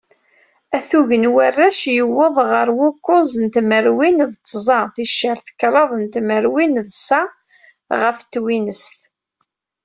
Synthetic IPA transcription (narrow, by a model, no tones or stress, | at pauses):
æθuʝənwərːæʃjəwːəðˤʁəɾwʊkːʊzˤənt̪məɾwinðt͡sˤːzˤɑθiʃːəɾθə̥kːɾˤɑðˤnt̪məɾwinðsæ | ʁəft̪ːwinəst̪